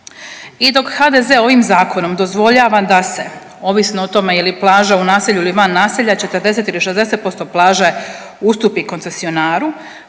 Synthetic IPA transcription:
id̪o̞khad̪eze̞o̞ʋimzaːko̞no̞md̪o̞zʋo̞ʎaːʋad̪ase̞ | o̞ʋisnoot̪o̞mejiliplˠaːʒaunaːseʎuiliʋanːaːseʎat͡ʃe̞t̪əɾd̪e̞se̞t̪iliʃe̞zd̪e̞set̪̚po̞st̪o̞plˠaːʒe | ust̪upiko̞nse̞sio̞naːɾu

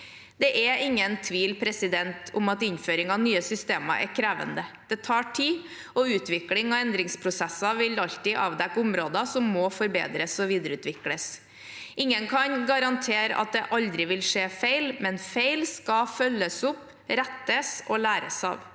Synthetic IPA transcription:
d̪ɛʔɛɪŋːənt̪ʰʋiːlpʰɾɛsɪd̪ɛnt̪ʰʊmɑt̪ɪnføːɾɪŋɑnyːəsʏst̪eːmɑ̰ʔɛ̰ɾkʰɾæːʋə̰nd̪əd̪̥ɛt̪ʰɑːʈʰiː | ɔʉːt̪ʋɪklɪŋɑɛnd̪ɾɪŋspʰɾʊsɛsːɑʋɪlɑʎt̪ɪʔɑ̰ːʋd̪ɛkːʊmɾoːd̪ɑsɔmːɔfɔɾbḛːd̪ɾəsɔʋiːd̪əɾʉːt̪ʋɪkləs | ʔɪŋːənkʰɑnɡɑɾɑnt̪ʰeːɾ̰ʔɑ̰t̪̚d̪ɛʔɑld̪ɾɪʋɪlʂeːfæɪlmɛnfeɪlskɑfœlːəsʊp | ɾæt̪ːəsɔlæːɾəsɑ̰ːʋ

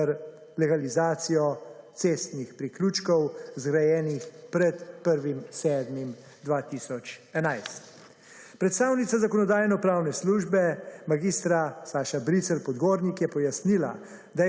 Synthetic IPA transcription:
ɾ | lɛɡalizaːt̪sijɔt̪seːst̪nixpɾiklut͡ʃkɔwzɡɾajɛːnixpɾɛt̪pəɾʋimsɛːd̪mim | d̪ʋaːt̪isɔt͡ʃɛnajst̪ | pɾɛt̪st̪aːwnit̪sazakɔnɔd̪aːjnɔpɾaːwnɛsluːʒbɛmaɡiːst̪ɾasaːʃabɾit̪sɛlpɔd̪ɡoːɾnikjɛpɔjasnila̰ | d̪a

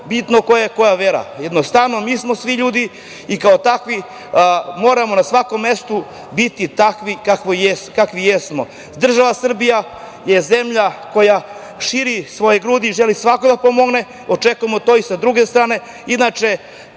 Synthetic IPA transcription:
bit̪nokojeko̞jaʋeɾa̰jed̪nost̪aʋno̞miːsmo̞sʋiʎuːd̪i | ikaot̪akʋi | mo̞ːɾamo̞nasʋako̞mːe̞st̪u | bit̪it̪akʋikakʋojeskakʋijesmo̞ | d̪r̩ʒaʋasr̩bija | jeze̞mʎako̞ja | ʃiɾisʋo̞jeɡɾuːd̪iʒe̞lisʋakod̪apo̞mo̞ɡne̞ | o̞t͡ʃekuje̞mo̞t̪o̞ːisad̪ɾuɡest̪ɾaːne̞ | inat͡ʃe̞

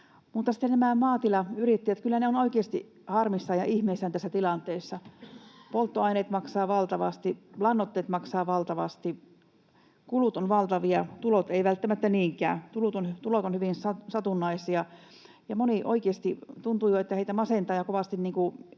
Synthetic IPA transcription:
mut̪ːɑsi̥t̪ːennæmæˑmɑːt̪ilɑyrit̪ːiæt̪kylːæneonoikeːst̪i | hɑrmisːɑjɑʔihmeisːænt̪æsːæt̪ilɑnt̪eːsːɑpolt̪ːoɑineːt̪mɑksɑːʋɑlt̪ɑʋɑ̰st̪ilɑnːot̪ːeːt̪mɑksɑːʋɑlt̪ɑʋɑst̪i | kulut̪onʋɑlt̪ɑʋiɑt̪ulot̪eiʋælt̪ːæmæt̪ːæniːŋkˑæ̰ːt̪ulut̪ont̪ulot̪onhyʋinsɑsɑt̪unːɑisiɑ | jɑmoniʔo̰ikeːst̪it̪unt̪ujoet̪ːæheit̪æmɑsent̪ɑːjɑkoʋɑst̪inniːŋku

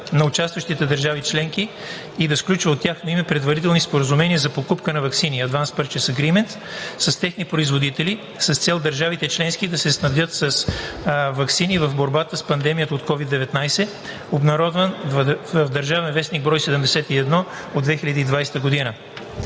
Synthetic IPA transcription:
nɐʊt͡ʃast̪vəʃt̪it̪ɛd̪əɾʒavit͡ʃlɛŋki | id̪ɐsklʲut͡ʃvəot̪ʲːjaxnoimɛpɾɛd̪vɐɾit̪ɛlˠnispoɾəzumɛniəzɐpokupkənɐvɐksiniɐd̪vanspəɾt͡ʃɛsəɡɾimɛnt̪ | sɐst̪ɛxnipɾoizvod̪it̪ɛli | səst̪sɛlˠd̪əɾʒavit̪ɛt͡ʃlɛnskid̪ɐsɛsnɐvd̪jɤt̪səs | vɐksinivɐvboɾbat̪əspɐnd̪ɛmijət̪əot̪kɔvid̪ːɛvɛt̪najsɛ | obnɐɾɔd̪vənvvəvd̪ɐɾʒavɛnvɛsniɡ̚bɾɔjsɛd̪əmd̪ɛsɛt̪iɛd̪nɔ | od̪vɛxilʲəd̪iːd̪vajst̪əɡod̪inə

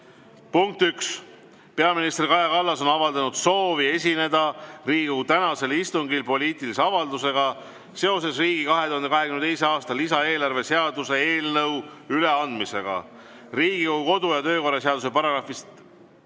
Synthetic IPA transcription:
puŋk̚t̪yks | pe̞ɑminist̪rikɑjɑkɑlːɑso̞nɑvɑld̪ɑnud̪̥so̞ːvie̞s̬ʲine̞d̪̥ɑriːɡ̥ut̪ænɑse̞list̪uŋɡilpo̞lʲiːt̪iliseɑvɑld̪use̞ɡ̥ɑ | se̞o̞s̬e̞sriːɡikɑɦe̞t̪uhɑnkɑɦe̞kymnet̪ejseɑːst̪ɑlisɑe̞ːlɑrve̞se̞ɑd̪use̞eːlnɤw | yle̞ɑnd̪mise̞ɡ̥ɑ̰ | riːɡ̥ikoɡuko̞d̪ujɑt̪ø̞ːko̞rɑseɑd̪use̞pɑɾɑɡrɑfist̪

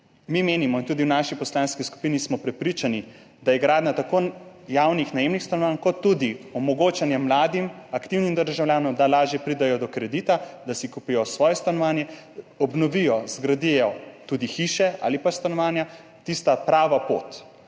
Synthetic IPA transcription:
mimeːnimɔint̪uːd̪iwnaːʃipɔslaːnskisku̥piːnismɔpɾɛpɾit͡ʃani | d̪ajɛɡɾaːd̪nat̪akoː | jawnixnajemnixst̪anɔʋaːnkɔt̪ːud̪iɔmɔɡoːt͡ʃanjɛmːlaːd̪imakt̪iwnimd̪əɾʒawlʲjaːnɔmd̪alaːʒjɛpɾid̪ajɔd̪ɔkɾɛd̪it̪ad̪asikuːpijɔsʋɔːjɛst̪anɔʋaːnjɛ | ɔbnɔʋijɔzɡɾad̪iɛɔt̪ud̪ixiʃɛʔa̰ːlipast̪anɔʋaːnja | t̪ist̪apɾaːʋapo̰t̪

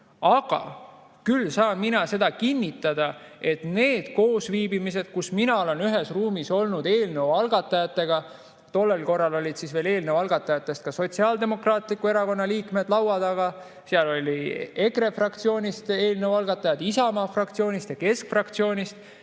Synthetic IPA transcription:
ɑɡ̥ɑ̰ | kylsɑːnminɑse̞d̪̥ɑkinʲːit̪ːˑɑd̪̥ɑe̞t̪ne̞ːd̪̥ko̞ːsviːbimise̞d̪̥̚kusminɑole̞nyɦe̞sruːmiso̞lnud̪̥e̞ːlne̞wɑlɡɑt̪ːˑɑjɑt̪ːˑe̞ɡ̥ɑ | t̪o̞lːe̞lko̞rːɑlo̞lʲid̪̥sisveːle̞ːlnewɑlɡ̥ɑt̪ːˑɑjɑt̪ːˑe̞st̪̚kɑso̞t̪ʲsiɑːld̪e̞mo̞krɑːt̪ˑlikue̞ɾɑko̞nːɑliːkme̞d̪lɑwɑd̪̥ɑɡ̥ɑ | seɑlo̞lʲie̞kre̞frɑkt̪sio̞ːnʲist̪e̞ːlnewɑlɡ̥ɑt̪ːˑɑjɑd̪isɑmɑːfrɑk̚t̪sio̞ːnʲist̪jɑke̞skfrɑkt̪sio̞ːnʲist̪

